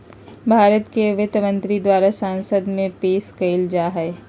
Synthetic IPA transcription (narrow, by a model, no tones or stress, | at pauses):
bʱaːɾət̪keʋɪt̪mə̃nt̪ɾid̪waːɾasaːnsəd̪mẽpeːskəɪld͡ʒaːɦɛː